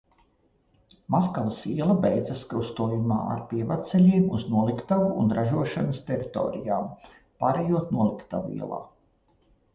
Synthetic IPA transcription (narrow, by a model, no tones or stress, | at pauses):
maskalˠisiɛlˠɐbejd̪zaskɾust̪uːjuma̰ːa̰ɾpiɛvat̪sɛlʲiːmuznuɔlˠikt̪avuːnɾaʒuɔʃanɐst̪ʲɛɾit̪o̰ːɾijaːm | paːɾejuɔt̪nuɔlˠikt̪a̰vuḭɛ̰lˠa̰ː